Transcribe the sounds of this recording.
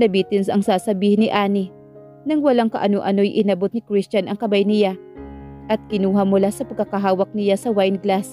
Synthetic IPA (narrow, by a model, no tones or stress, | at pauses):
nɐbit̪ɪnsɐŋsaːsɐbiːhɪnːɪʔaːnɪ | nɐŋwɐlaŋkɐ̰ʔɐnoʔɐno̞jʔɪnɐbot̪̚nɪkɾɪst͡ʃɐnʔɐŋkɐbajnɪja | ʔɐt̪̚kɪnuːɦɐmʊlasɐpɐɡ̚kːɐkɐɦaːwɐk̚nɪjasɐwajnɡlas